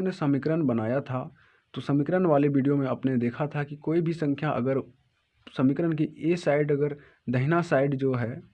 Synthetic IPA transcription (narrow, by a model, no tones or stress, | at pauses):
nesɐmɪkɾənbənaːjat̪ʰa | t̪osəmɪkɾənʋaːleʋiːɖijomẽɐpned̪eːkʰat̪ʰakikoːibʱisə̃ŋkʰjaʔɐ̰ɡəɾ | səmɪkɾənk̬ieːsaːɪɖɐɡəɾ | d̪ʱəɦɪnasaːɪɖd͡ʒoːɦɛː